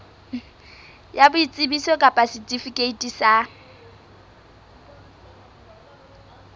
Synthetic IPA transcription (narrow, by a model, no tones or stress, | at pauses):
jabʊit͡sʼɪbisɔkʼapʼasɪtʼifikʼeitʼisa